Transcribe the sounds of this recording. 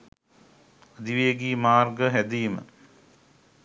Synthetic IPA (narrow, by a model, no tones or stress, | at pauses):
əd̪iʋejəɡiːmaːrɡəɦæd̪ijːmə̰